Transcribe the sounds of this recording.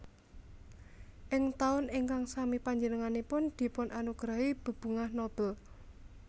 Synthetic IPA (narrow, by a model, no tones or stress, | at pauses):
ʔɪŋt̪aʊnɪŋkaŋsamipaɲd͡ʒənəŋanepʊnd̪̥i̤pʊnʔanuɡ̥ɾaɦib̥ə̤b̥ṳŋahnob̥əl